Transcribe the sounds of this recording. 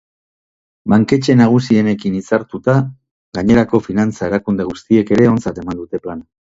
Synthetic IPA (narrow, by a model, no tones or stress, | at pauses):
baŋke̞t͡ʃe̞naɣ̞usie̞ne̞kinisaɾt̪ut̪a | ɣaɲe̞ɾako̞finant͡sae̞ɾakund̪e̞ɣ̞ust̪ie̞ke̞ɾe̞o̞nt͡sat̪e̞mand̪ut̪e̞plana